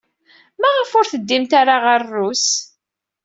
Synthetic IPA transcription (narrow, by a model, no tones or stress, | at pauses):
mæʁəfʊɾθəd̪ːimt̪aɾaʁərːus